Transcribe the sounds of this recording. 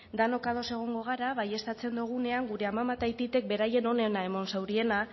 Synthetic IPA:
d̪ano̞kað̞o̞se̞ɣ̞o̞ŋɡo̞ɣ̞aɾaβaje̞st̪at͡se̞nd̪uɣ̞une̞aŋɡuɾe̞amamat̪ajt̪it̪e̞k̚be̞ɾaje̞no̞ne̞nae̞mo̞nsawɾie̞na

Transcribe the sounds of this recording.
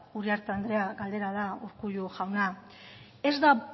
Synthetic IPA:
uɾiaɾt̪eand̪ɾe̞aɡald̪e̞ɾaðauɾkuʎuʝawna | e̞zd̪a

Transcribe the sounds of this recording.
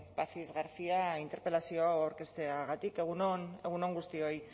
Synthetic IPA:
pasizɣaɾsiaint̪e̞ɾpe̞lasio̞awawɾke̞st̪e̞aɣat̪ike̞ɣ̞unone̞ɣ̞uno̞ŋɡust̪io̞j

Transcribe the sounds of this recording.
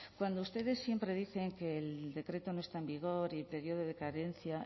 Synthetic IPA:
kwand̪oust̪e̞ðe̞sːje̞mpɾe̞ðiθe̞ŋke̞ːld̪e̞kɾe̞t̪onoest̪aembiɣ̞o̞ɾilpe̞ɾjo̞ð̞oð̞ekaɾe̞n̟θja

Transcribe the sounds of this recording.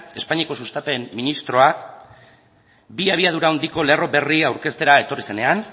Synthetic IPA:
e̞spaɲiako̞sust̪ape̞mːinist̪ɾo̞a | biaβ̞iað̞uɾaond̪iko̞le̞ro̞be̞riawɾke̞st̪e̞ɾae̞t̪o̞rise̞ne̞an

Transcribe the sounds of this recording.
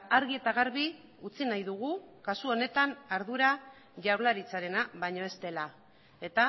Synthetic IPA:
aɾɣie̞t̪aɣ̞aɾβi | ut͡sinajðuɣukasuo̞ne̞t̪anaɾðuɾa | ʝawɾlaɾit͡saɾe̞naβaɲo̞e̞st̪e̞la | e̞t̪a

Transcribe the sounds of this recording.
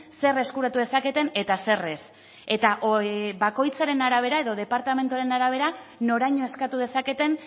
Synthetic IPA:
se̞re̞skuɾat̪uðe̞sake̞t̪e̞ne̞t̪ase̞re̞s | e̞t̪aʔβako̞jt͡saɾe̞naɾaβ̞e̞ɾae̞ðo̞ð̞e̞paɾt̪ame̞nt̪uaɾe̞naɾaβ̞e̞ɾano̞ɾajɲo̞e̞skat̪uð̞e̞sake̞t̪e̞n

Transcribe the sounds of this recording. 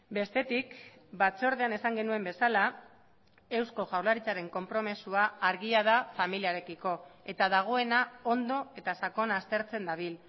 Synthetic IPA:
be̞st̪e̞t̪ikbat͡so̞ɾð̞e̞ane̞saŋɡe̞nue̞mbe̞sala | e̞wsko̞ʝawlaɾit͡saɾe̞ŋko̞mpɾo̞mesuaːɾɣiað̞afamiliaɾe̞kiko̞e̞t̪aðaɣ̞o̞e̞nao̞nd̪o̞e̞t̪asako̞naːst̪e̞ɾt͡se̞nd̪aβ̞il

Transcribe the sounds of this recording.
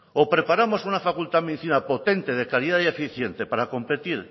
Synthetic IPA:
opɾe̞paɾamo̞sunafakult̪aðmeðiθinapo̞t̪e̞nt̪e̞ðekaɾiðaðiefiθje̞nt̪e̞paɾako̞mpe̞t̪iɾ

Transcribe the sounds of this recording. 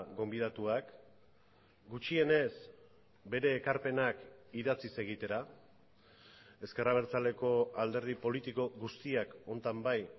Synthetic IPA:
ɡo̞mbiðat̪uak | ɡut͡ʃie̞ne̞s | be̞ɾe̞ːkaɾpe̞nakiðat͡sise̞ɣ̞it̪e̞ɾa | e̞ske̞raβ̞e̞ɾt͡sale̞ko̞ald̪e̞ɾðipo̞lit̪iko̞ɣust̪iako̞nt̪ambaj

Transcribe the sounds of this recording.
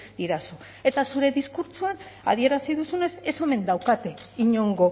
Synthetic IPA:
d̪̥iɾasu | e̞t̪asuɾe̞ðiskuɾt͡ʃuana̰ð̞ie̞ɾasiðusune̞se̞so̞me̞nd̪awkat̪eiɲo̞ŋɡo̞

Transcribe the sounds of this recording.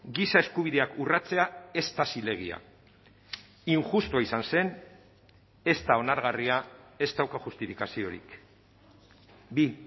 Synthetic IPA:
ɡisae̞skuβ̞iðe̞akurat͡se̞ae̞st̪asile̞ɣ̞ia̰ | iŋʝust̪uaisanse̞n | e̞st̪ao̞naɾɣariae̞st̪awkaʝust̪ifikasio̞ɾḭk | bi

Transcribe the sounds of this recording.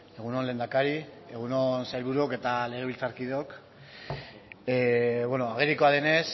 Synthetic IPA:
e̞ɣ̞unonle̞ːnd̪akaɾi | e̞ɣ̞unonsajlβuɾuoke̞t̪ale̞ɣ̞e̞βilt͡saɾkiðeok | βweno̞aɣ̞eɾiko̞aðe̞ne̞s

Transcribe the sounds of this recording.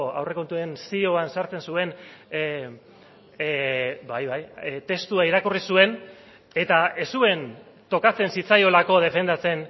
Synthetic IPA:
a̰wre̞ko̞nt̪ue̞nsio̞ansaɾt͡se̞nsue̞n | bajβajt̪e̞st̪uaiɾakurisue̞n | e̞t̪ae̞sue̞n | t̪o̞kat͡se̞nsit͡sajo̞lako̞ð̞e̞fe̞nd̪at͡se̞n

